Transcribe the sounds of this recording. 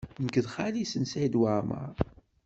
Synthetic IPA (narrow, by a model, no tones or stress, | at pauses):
nəkəðχalisənsad̪waɾma̰